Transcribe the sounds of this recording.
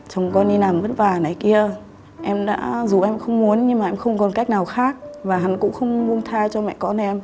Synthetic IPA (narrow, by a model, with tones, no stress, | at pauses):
t͡ɕwŋ͡mkɔ˧ni˧na˨˩mzə˦˥t̚vaː˨˩na˨˩˦jki˧ə | ʔɛ˧mɗa̰ː˧˥zu˨˩ʔɛ˧mxə˧wŋ͡mmu˨˦ənɲɨ˧ŋmaː˨˩ʔɛ˧mxə˧wŋ͡mkɔ˨˩nka˦˥jk̚naː˨˩wxaː˦˥k̚vaː˨˩ɦa˨˦nkʊ̰˧˥ŋ͡mxə˧wŋ͡mmu˧əŋt̪ʰaː˧t͡ɕɔ˧mɛ̰˧˨kɔ˧nʔɛ˧m